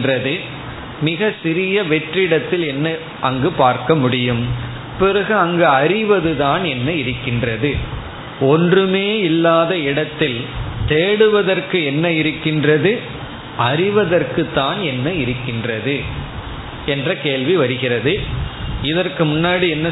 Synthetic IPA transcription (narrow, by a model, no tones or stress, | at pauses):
rɐðɯ | mɪɣɐsɪɾɪjɐʋɛʈrɪɽɐt̪ːɪlɛnːɐ | ʔɐŋɡɯpaːɾkɐmʊɽɪjɯm | pɪrɐɣɯɐŋɡɯɐɾɪʋɐðɯðaːnɛnːɐɪɾɯkːɪndrɐðɯ | ɔndrɯmeːɪlːaːðɐɪɽɐt̪ːɪlt̪eːɽɯʋɐðɐrkɯɛnːɐɪɾɯkːɪndrɐðɯ | ɐɾɪʋɐðɐrkɯt̪ːaːnɛnːɐɪɾɯkːɪndrɐðɯ | ɛndrɐkeːɭʋiʋɐɾɯɣɪrɐðɯ | ɪðɐrkɯmʊnːaːɽiɛnːɐ